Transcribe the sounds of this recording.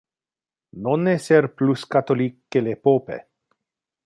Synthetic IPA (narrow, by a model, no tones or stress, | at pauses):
noneserpluskat̪olikːelepopḛ